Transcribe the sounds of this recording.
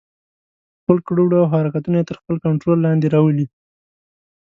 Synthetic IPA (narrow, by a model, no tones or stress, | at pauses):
xpəlkɽuɽawɦɑɾɑkat̪unajet̪əɾxpəlkaɳʈɾolːɑnd̪eɾɑwəli